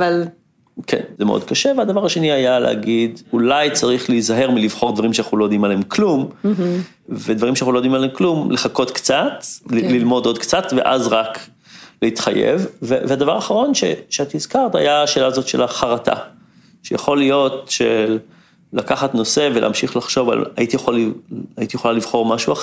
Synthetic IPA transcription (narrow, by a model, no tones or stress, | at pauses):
aval | kʰḛnzemeʔod̪̚kaʃevead̪avaʁaʃe̞niajalḛha̰ɡid̪ulajt͡saʁiχleizaɦe̞ʁmiliv̥χo̞ʁd̪vaʁimʃeanaχulojod̪imalemklum | ved̪vaʁimʃeanxuloodimaleemklumleχako̞t̪kt͡sat̪lilmo̞dod̪kt͡sat̪vḛʔa̰zʁak | leit̪χajḛvːevead̪avaʁaχaʁo̞nʃḛʃeat̪hizkaʁt̪a̰jaːʃe̞ːlaːzo̞t̪ʃelaχaʁata̰ | ʃejaχo̞lijo̞tʃelː | akaχatno̞se̞velʔḛːmʃiχlaχʃo̞va̰la̰it̪ijeχalait̪ijeχolalivχo̞ʁmaʃua